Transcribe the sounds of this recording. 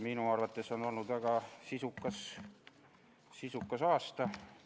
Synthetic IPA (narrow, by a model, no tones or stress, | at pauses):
minuɑrvɑt̪ˑːe̞so̞no̞lnud̪væɡ̥ɑsisukːˑɑs | sisukːˑɑsɑːst̪ɑ